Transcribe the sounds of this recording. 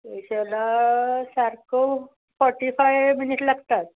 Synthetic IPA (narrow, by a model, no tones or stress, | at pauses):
eɕelasaɾko | fɔɾʈifajminiʈlaɡt̪at̪̚